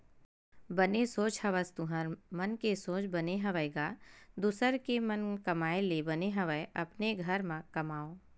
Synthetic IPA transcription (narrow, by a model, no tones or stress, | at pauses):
bɐnesoːt͡ʃhɐʋəst̪uɦəɾmɐnkesoːt͡ʃbɐneɦɐʋəɡaːd̪usəɾkemənkɐmaːelebɐneɦɐʋəeʔɐpneɡʱɐɾmãkɐmaːoː